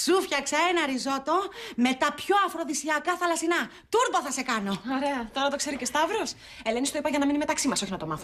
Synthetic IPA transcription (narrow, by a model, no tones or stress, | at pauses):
sufçɐksɐenɐɾizo̞t̪o̞me̞t̪ɐpço̞ɐfɾo̞ðisiɐkɐθɐlɐsinɐ | t̪uɾboθɐse̞kɐno̞oɾeɐt̪o̞ɾɐt̪o̞kse̞ɾicest̪ɐvɾos | elenist̪oipɐʝɐnɐminime̞t̪ɐksimɐso̞çinɐt̪o̞mɐθu